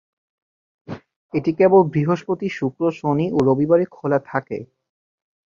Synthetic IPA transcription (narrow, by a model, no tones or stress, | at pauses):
eʈikebonbɾiɦoʃpot̪iʃukɾoʃoniʔoɾobibaɾekʰolat̪ʰakḛ